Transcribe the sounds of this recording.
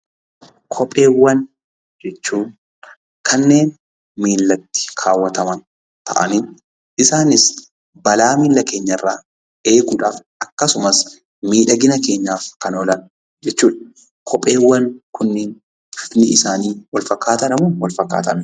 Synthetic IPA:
kʰɔpʼe̞ːwːɐn | d͡ʒɛt͡ʃːuːn | kʰɐnːe̞ːn | miːlːɐt̪ːɪ̥kʰaːwːɐt̪ɐmɐn | t̪ʰɐ̰ʔɐ̰nɪn | ʔɪsaːnɪs | bɐlaːmiːlːɐke̞ːɲːɐrːaː | e̞ːɡuːᶑaːfʔɐkːɐsʊmɐs | miːᶑɐɡɪnɐke̞ːɲːaːfkɐnɔːlɐn | d͡ʒɛt͡ʃːuːᶑɐ | kʰɔpʼe̞ːwːɐnkʊnːeːn | fɪfnɪɪsaːniːwɐlfɐkːaːt̪ɐnɐmʊnwɐlfɐkːa̰ːt̪ɐn

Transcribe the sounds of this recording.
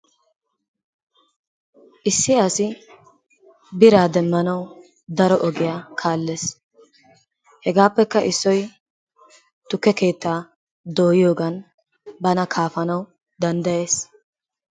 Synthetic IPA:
ʔɪsːɪasɪ | bɪɾaːd̪ɛmːɐnɐw | d̪ɐɾɔʔɔɡɪjaːkʰaːlːeːs | hɛɡaːpːɛkːɐʔɪsːɔj | t̪ʊkːɛke̞ːt̪ːaː | d̪o̞ːjɪjo̞ːɡɐn | bɐnɐkʰaːfɐnɐw | d̪ɐnd̪ɐjeːs

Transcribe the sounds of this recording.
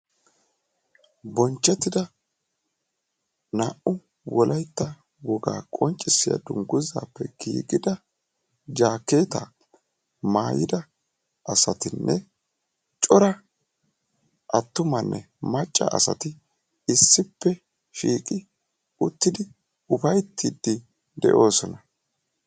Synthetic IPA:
bɔnt͡ʃːɛt̪ːɪd̪ɐ | naːʔʊ | wɔlʔɐjt̪ːɐ | wɔɡa̰ːkʼɔnt͡ʃʼːɪsːɪjɐ̰d̪ʊŋɡʊza̰ːpːɛɡ̥ḭːɡɪd̪ɐ | d͡ʒaːkːe̞ːt̪a̰ | maːjɪd̪ɐ | ʔɐsɐt̪ɪnːʔɛ | t͡ʃʼɔɾɐ | ʔɐt̪ːʊmɐnːʔɛ | mɐt͡ʃʼːɐ̰ʔɐ̰sɐ̰t̪ɪ | ɪsːɪpːɛ | ʃiːkʼɪ | ʊt̪ːɪd̪ɪ | ʊfɐjt̪ːid̪ːɪ | d̪ɛ̰ʔo̞ːsɔnɐ

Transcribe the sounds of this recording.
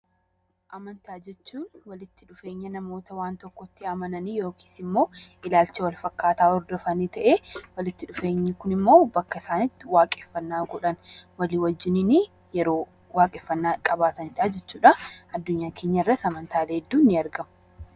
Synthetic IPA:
ʔɐmɐnt̪aːd͡ʒɛt͡ʃːuːnwɐlɪt̪ːɪᶑʊfe̞ːɲːɐnɐmo̞ːt̪ɐwaːnt̪ɔkːɔt̪ːɪɐmɐnɐnijo̞ːki̥ːsɪmːo̞ːʔɪlaːlt͡ʃɐwɐlfɐkːaːt̪aːɔɾd̪ɔfɐnit̪ɐʔeːwɐlɪt̪ːɪᶑʊfe̞ːɲːɪkʊnɪmːo̞ːbɐkːɐɪsaːnɪt̪ːɪwaːkʼɛfːɐnːaːɡɔᶑɐnwɐliːwɐd͡ʒːɪnɪni | jɛɾo̞ː | waːkʼɛfːɐnːaːkʼɐbaːt̪ɐnɪᶑɐd͡ʒɛt͡ʃːuːᶑɐʔɐd̪ːʊɲːaːkʰeːɲːɐɪrːɐsɐmɐnt̪ʰaːleːd̪ːuːnːɪɐɾɡɐmʊ

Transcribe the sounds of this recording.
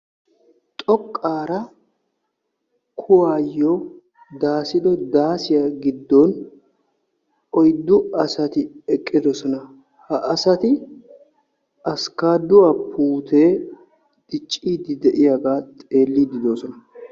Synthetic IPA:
t̪ʼɔkʼːaːɾɐ | kʰʊwaːjːɔ | d̪aːsɪd̪ɔd̪aːsɪjaɡɪd̪ːɔn | ɔjd̪ːʊɐsɐt̪ɪɛkʼːɪd̪ɔsɔnɐ | hɐʔɐsɐt̪ɪ | ɐskaːd̪ʊwɐpʰuːt̪eː | d̪̥ɪt͡ʃʼːiːd̪ɪd̪ɛʔɪjaɡaːt̪ʼe̞ːlːid̪ɪd̪oːsɔnɐ

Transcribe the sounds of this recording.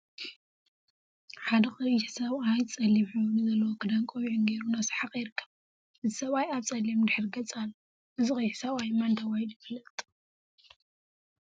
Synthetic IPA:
ħad̪ɐxʼɨjɪħsaβajt͡sʼɐlːimħɨβɾuzɐlːɐwokʰɨd̪aŋkʼowiʕʊŋɡeɾunasħaqʼjɪɾɨkʰːɐ̥β | ʔɨzi̥sɐβajaβt͡sʼɐlimd̪ɨħɨɾɡɐt͡sʼalːo | ʔɨzixʼɨjħsaβajmant̪ʰɐwajljɪfɨlɐt̪ʼ

